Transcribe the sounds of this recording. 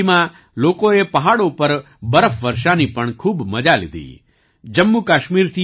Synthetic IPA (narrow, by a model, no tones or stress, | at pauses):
mã | loːkoepɐɦaːɽopɐɾ | bəɾəfʋəɾʃanipəɳkʰuːbmɐd͡ʒalɪ̰d̪ʱḭː | d͡ʒəmːukaːʃmiːɾt̪ʰi